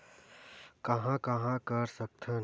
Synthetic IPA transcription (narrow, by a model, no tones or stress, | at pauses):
kɐɦãkɐɦãkɐɾsɐk̚t̪ʰə̃